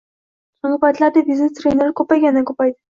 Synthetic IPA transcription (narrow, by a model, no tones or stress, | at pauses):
ʃʊɴɡɑpʰajt̪laɾd̪ɪvizɪt̪ɾenaɾkʰɵpajɡʲanakʰopajd̪ɪ